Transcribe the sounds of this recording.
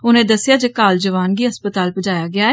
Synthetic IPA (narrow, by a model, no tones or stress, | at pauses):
ʊnẽːd̪əsɪjaːd͡ʒeːkaːld͡ʒəʋaːnɡiːɦəspət̪aːlpəd͡ʒaːjaːɡɪaːɛː